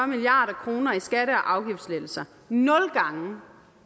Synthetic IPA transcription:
ɶɐmiliɑ̰̈ːɾ̥ɐkʰʁo̝ːnɐisɡ̥æɾəɒ̽ʔɑ̈ʊɡ̥ifd̥slel̩sɐ | nɔ̽lɡ̥ɑ̈ŋə

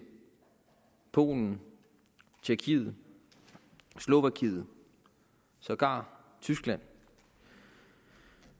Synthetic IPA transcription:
pʰo̝̰ːln̩ | t͡ɕʰeɐkʰið̩ˠ | slo̝ʋækʰið̩ˠ | sɒɡ̥ɑ̈ | t͡sʰysɡ̥læn̰

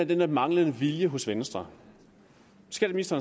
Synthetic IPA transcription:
æd̥enæ̥mɑ̈ŋlənəʋiljəɦɔ̽sʋensd̥ʁɐ | sɡ̥ɛːd̥əsminisd̥ɐːn

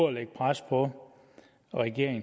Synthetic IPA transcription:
leɡ̥̚pʰʁaspʰɒ | ʁɛɡ̥e̝ɐ̰eŋ

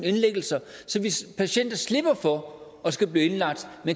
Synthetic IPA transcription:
ne̝nleɡ̥l̩sɐsɒ̽ʋipʰæɕen̰d̥ɐsle̝b̥ɐfɒ̽ | ɒ̽sɡ̥æb̥liːe̝nlɑ̈ɡ̥̚d̥men

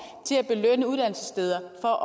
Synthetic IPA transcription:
t͡sʰe̝læb̥e̝lønəuðˠd̥æn̰l̩səsd̥eːð̞ˠɐfɒ̽ʔɒ

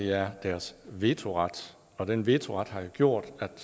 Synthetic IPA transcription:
eæɐd̥æɐsʋe̝t͡sʰo̝ʁɑ̈d̥ | ɒ̽d̥enʋe̝t͡sʰo̝ʁɑ̈d̥hɑ̈joɡ̥jo̝ɐ̰d̥æd̥

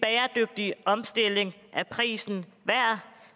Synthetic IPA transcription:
b̥ɛːɐd̥øɡ̥̚d̥iʔɒ̽msd̥e̝le̝ŋ | ʔæpʰʁḭːsn̩ | ʋæɐ̰

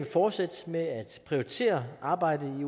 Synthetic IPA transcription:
fɒːd̥sæd̥meæd̥pʰʁioit͡sʰe̝̰ːɐʔɑ̈ːb̥ɑ̈ɪ̰dəi

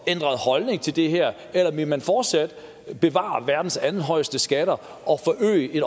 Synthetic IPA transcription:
end̥ʁɐð̩ˠhɒ̽lne̝ŋt͡sʰe̝ld̥e̝ɦæɐ̰ | elɐʋe̝mænfɒːd̥sæd̥ | b̥e̝ʋɑ̰̈ːʋæɐd̥n̩sæn̩ɦɒ̽ɪ̰sd̥əsɡ̥æɾ̥ɐ | ɒ̽fɒʔø̰ːɪəʔe̝n

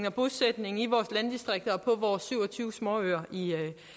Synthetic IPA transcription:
ŋɒ̽b̥osed̥ne̝ŋ̩iʋɒːslænd̥isd̥ʁeɡ̥̚d̥ɐɒpʰɒ̽ʋɒːsːyʊ̰ɒt͡sʰyːʊsmɒ̰ːøɐi

